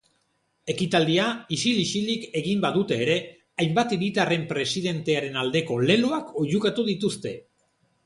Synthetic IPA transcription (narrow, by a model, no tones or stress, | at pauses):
e̞kit̪ald̪iaisiliʃilike̞ɣimbaðut̪e̞ːɾe̞ | ajmbat̪iɾit̪are̞mpɾe̞siðe̞nt̪e̞aɾe̞nald̪e̞ko̞le̞luako̞ʎukat̪uðit̪ust̪e̞